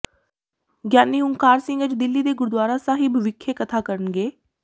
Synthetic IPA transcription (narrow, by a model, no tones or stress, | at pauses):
ɡjaːniːʊŋkaːɾsɪ̃ŋɡət͡ʃd̪ɪlːiːd̪eːɡʊɾd̪waːɾãːsaːɦɪbʱʋɪkʰːeːkət̪ʰaːkəɾənɡeː